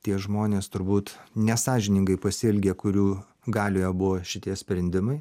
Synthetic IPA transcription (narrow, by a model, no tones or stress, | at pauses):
t̪ʲiɛʒmoːnʲeːst̪ʊɾbuːt̪nʲɛsɑːʒʲɪnʲɪŋɡɐɪpɐsʲɪlʲɡʲeːkʊɾʲuː | ɡɑːlʲoːjobʊʋoːʃʲɪt̪ʲiɛsʲpʲɾʲɛnʲd̪ʲɪmɐɪ